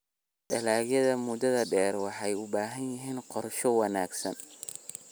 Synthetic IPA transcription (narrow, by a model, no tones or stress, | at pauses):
ɖɐlaːɣjɐðɐmʊd̪ɐðɐɖɛːrwɑħɑjʊbaːɦɐnjɪɦiːnqɔrʃɔwɑna̰ːɡsɐ̰n